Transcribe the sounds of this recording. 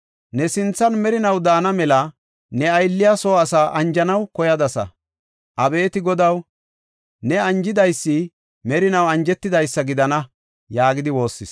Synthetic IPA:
nɛsɪnt͡sːɐnmɛɾɪnɐwd̪aːnɐmɛlɐ | nɛɐjlːɪjasoːɐsaːʔɐnd͡ʒɐnɐwkɔjɐd̪ɐsɐ̰ | ʔɐbe̞ːt̪ɪɡɔd̪ɐw | nɛɐnd͡ʒɪd̪ɐjsːɪ | mɛɾɪnɐwɐnd͡ʒɛt̪ːɪd̪ɐjsːɐɡɪd̪ɐnɐ | jaːɡɪd̪ɪwo̞ːsːɪs

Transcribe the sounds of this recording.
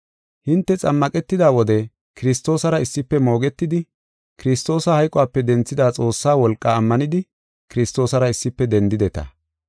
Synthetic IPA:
hɪnt̪ːɛt͡sʼɐmːɐkʼɛt̪ːɪd̪aːwɔd̪ɛ | kɪɾɪst̪o̞ːsɐɾɐɪsːɪpːɛmo̞ːɡɛt̪ːɪd̪ɪ | kɪɾɪst̪o̞ːsɐhɐjkʼɔwaːpːɛd̪ɛnt͡sːɪd̪aːt͡sʼo̞ːsːaːwɔlkʼːaːmːɐnɪd̪ɪ | kɪɾɪst̪o̞ːsɐɾɐɪsːɪpːɛd̪ɛnd̪ɪd̪ɛt̪ɐ̰

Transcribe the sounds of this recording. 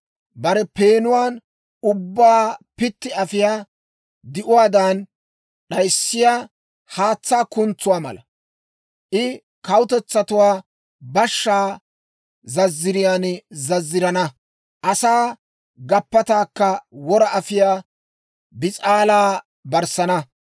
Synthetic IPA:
bɐɾɛpeːnʊwaːn | ʊbːaːpɪt̪ːɪɐfɪjaː | d̪ɪʔʊwaːd̪ɐn | ɗɐjsːɪjaː | haːt͡sːaːkʊnt͡sːʊwaːmɐ̰lɐ̰ | ʔɪ | kɐwʊt̪ɛt͡sːɐt̪ʊwaː | bɐʃːaː | zɐzːɪɾɪjaːnzɐzːɪɾɐnɐ | ʔɐsaː | ɡɐpːɐt̪aːkːɐwɔɾɐɐfɪjaː | bɪt͡sʼaːlaː | bɐɾsɐnɐ

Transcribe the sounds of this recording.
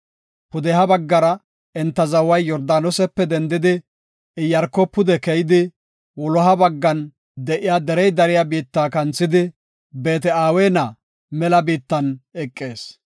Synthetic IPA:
pʊd̪ɛɦɐbɐɡːɐɾɐ | ɛnt̪ːɐzɐwɐjːɔɾd̪aːnɔsɛpːɛd̪ɛnd̪ɪd̪ɪ | ɪjɐɾkɔpːʊd̪ɛkɛjɪd̪ɪ | wɔlɔɦɐbɐɡːɐn | d̪ɛʔɪjaːd̪ɛɾɛjd̪ɐɾɪjabiːt̪ːakɐnt͡sːɪd̪ɪ | beːt̪ɛaːweːnɐ | mɛlɐbiːt̪ːɐnɛkʼːeːs

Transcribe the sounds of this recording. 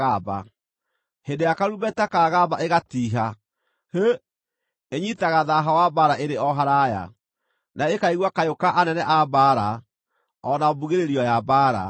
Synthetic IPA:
ɣaba̰ | hedejakaɾuβɛtɛkaːɣabaʔeɣatiːɦa | he | eɲitaɣaðaɦawabaɾaeɾeɔɦaɾaja̰ | naekaiɣwakajokaʔanɛnɛʔabaːɾa | ɔnabuɣeɾeɾiɔjabaɾa̰

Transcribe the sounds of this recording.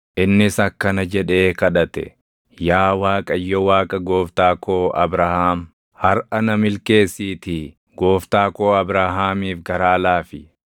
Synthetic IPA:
ʔɪnːɪsɐkːɐnɐd͡ʒɛᶑe̞ːkɐᶑɐt̪ɛ̰ | jaːwaːkʼɐjːɔwaːkʼɐɡoːft̪aːkʰo̞ːɐ̰bɾɐhaːm | hɐɾʔɐnɐmɪlke̞ːsːiːt̪ɪ | ɡo̞ːft̪aːko̞ːɐbɾaɦaːmiːfɡɐɾaːlaːfɪ

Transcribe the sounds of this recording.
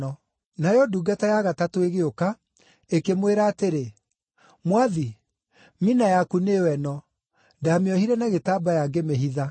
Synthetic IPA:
ɔ | najɔduɡatajaɣatatoeɣeoka | ekemweɾaːteɾe | mwaði | minajakunewɛnɔ | ndameɔhiɾɛnaɣetaːbajaɡemeɦiða

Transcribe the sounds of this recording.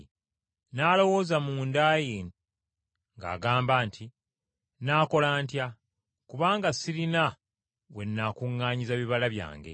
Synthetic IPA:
naːlo̞wo̞ːzamuːndaːjen | ŋɡa̰ːɡaːmbaːntʰi | naːko̞laːntja | kuβaːŋɡasiɾina | we̞nːakuŋːaːɲizaβiβalaβja̰ːŋɡe̞̰

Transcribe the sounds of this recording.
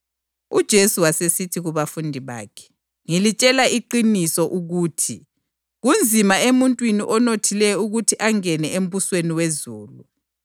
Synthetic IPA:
ud̥ʒ̥ʱesuwasesitʰiɣuβafundʱiβa̰ːkʰɛ̥ | ŋilit͡ʃʼɛlaiǃinisɔʔuɣuːtʰi | ɣund͡zʱimaemuntʼwiniʔɔnotʰilɛjɔuɣutʰiʔaŋɛnɛem̩βusweniwezuːlṵ

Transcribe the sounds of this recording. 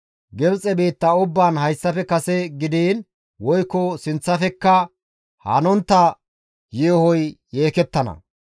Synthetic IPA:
ɡɛbt͡sʼɛbeːt̪ːɐʊbːaːnhɐjsːɐfɛkɐsɛɡɪd̪iːn | wɔjkːɔsɪnt͡sːɐfɛkːɐ | hɐ̰nɔnt̪ːɐ | jeɔhɔjːeːkɛt̪ːɐnɐ̰

